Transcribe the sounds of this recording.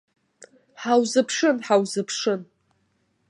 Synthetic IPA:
ħawzɨpʰʂɨnħawzɨpʰʂɨn

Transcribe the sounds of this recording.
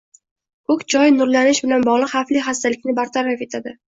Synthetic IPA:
kʰɵkʲd͡ʒɒjnʊɾlanɪʃbɪlanbɒʁlˠɨqχafliχast̪alɪkʲnɪbaɾt̪ʰaɾafe̞t̪ʰad̪ɪ

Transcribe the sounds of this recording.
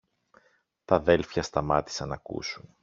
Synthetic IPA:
t̪ɐðe̞lfçɐst̪ɐmɐt̪i̥sɐnɐkṵsun

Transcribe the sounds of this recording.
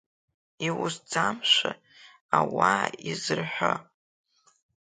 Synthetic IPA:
iwʊsd͡zamʃʷa | awaizɨrħʷa

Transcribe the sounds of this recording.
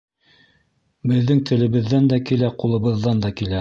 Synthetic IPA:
bɘ̆ðːɘŋt̪ʰɘ̆lɘ̆βɘ̆ðːænd̪ækilæqulˠɤ̆βɤ̆ðːɑnd̪ɑkilæ

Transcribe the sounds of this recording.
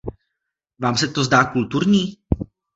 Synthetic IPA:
vaːmsɛt̪ozdaːkult̪uɾɲiː

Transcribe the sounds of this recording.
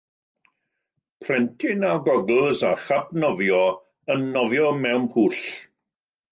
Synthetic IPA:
pʰrɛntʰɪnaɡɔɡl̩ˠzaχapnɔvjɔ | ənːɔvjɔmɛwnpʰuːɬ

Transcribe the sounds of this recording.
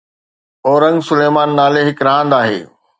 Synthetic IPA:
ɔːɾə̃ŋɡsʊleːmaːnːaːleɦɪkɾɐɦə̃ːnd̪aːɦḛː

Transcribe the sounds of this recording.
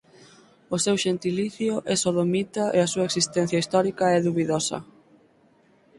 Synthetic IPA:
ʊsewʃent̪iliθjʊʔɛsoðomit̪aʔeɐsuɐeksist̪ɛn̟θjɐist̪ɔɾikɐɛðuβiðosɐ̰

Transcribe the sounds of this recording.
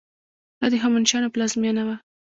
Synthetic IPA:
dɑd̪əɦɑmanʃɑnoplɑzmjɑnawa

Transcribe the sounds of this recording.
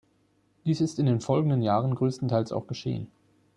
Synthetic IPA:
d̥iːsɪstɪndeːnfɔlɡŋ̩dənjaːʁənɡʁøːstn̩tʰaɪlsa̰ʊxɡ̥əʃḛːə̰n

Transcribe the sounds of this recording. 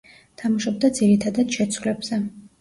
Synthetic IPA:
t̪ʰamaʃɔb̚d̪ad̪ziɾit̪ʰad̪ad̪̥ʃɛt̪sʰwlɛbz̥ɛ

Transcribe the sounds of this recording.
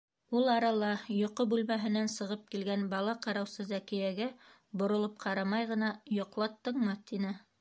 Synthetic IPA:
ulˠɑɾɑlˠɑjŏqobʉlmæɦɘ̆nænsɤ̆ʁɤp̚kilɡænbɑlˠɑqɑɾɑwsɤzækɘ̆jæɡæ | bŏɾŏlˠop̚qʰɑɾɑmɑjʁɤ̆nɑjŏqlˠɑt̪ːɤ̆ɴmɑt̪inɘ

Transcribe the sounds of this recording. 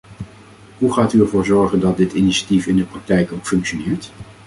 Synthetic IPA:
ɦuχaːtyɛɹvʊːɹzɔɹχəndɑt̚dɪtiniʃḁtifɪndəprɑk̚tɛjkowkfɵŋkʃonɪːɹt

